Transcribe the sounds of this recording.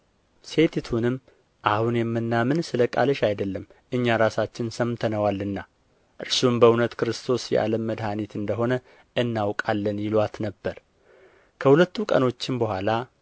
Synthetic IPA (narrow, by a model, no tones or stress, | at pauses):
se̞t̪it̪ʰunɨmː | ʔahunjɛmːɨnːamɨnsɨləkʼa̰ləʃajd̪əlːəmːʔɨɲːaɾasat͡ʃːɪnsəmt̪ʰənəwalːɨnːa | ʔɨɾsumbəunət̪kɨɾɨst̪ʰo̞sjɛ̰ʔa̰ləmːəd̪hanit̪ɨnd̪əɦo̞nə | ʔɨnːawkʼalːənjɪlwat̪nəbːəɾ | kʰəhulət̪ːukʼə̰no̞t͡ʃːɪnbəhʷala